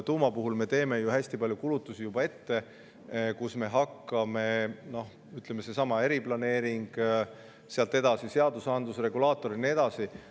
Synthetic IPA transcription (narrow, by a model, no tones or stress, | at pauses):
t̪uːmɑpuɦulme̞t̪e̞ːme̞juhæsʲt̪ipɑljukulut̪ːˑusijubɑe̞t̪ːe̞ | kusme̞ɦɑkːˑɑme̞no̞h | yt̪ˑle̞mese̞sɑmɑe̞ɾiplɑne̞ːɾiŋɡ̥ | seɑlt̪ːˑe̞d̪̥ɑsise̞ɑd̪̥usɑnd̪lusre̞ɡulɑːt̪ːˑo̞ɾinie̞d̪̥ɑsi